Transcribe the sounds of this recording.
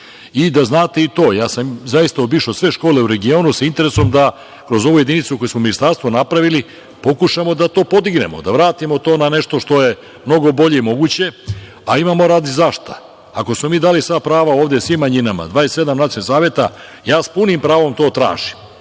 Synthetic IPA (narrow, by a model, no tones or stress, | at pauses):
id̪aznaːt̪e̞it̪o̞ːjaːsamzaist̪aobiːʃosʋe̞ʃkoːle̞uɾe̞ɡio̞ːnusaint̪e̞ɾeso̞md̪a | kɾo̞zo̞ʋujed̪init̪suko̞jusmominist̪aɾst̪ʋo̞napɾaʋili | po̞kuʃamo̞d̪at̪o̞ːpo̞d̪iɡne̞̰mo̞̰d̪aʋɾaːt̪imo̞t̪oːnane̞ʃt̪o̞ʃt̪o̞je̞ | mno̞ɡo̞bo̞ʎe̞imo̞ɡut͡ɕe̞ | aimamo̞ɾaːd̪izaʃt̪a | ako̞smo̞miːd̪aːlisʋapɾaːʋaoːʋvd̪esʋimːaɲinama̰d̪ʋaːest̪se̞d̪amnat̪jonsaːʋje̞t̪ajaːspunimpɾaːʋo̞mt̪o̞ːt̪ɾa̰ːʒim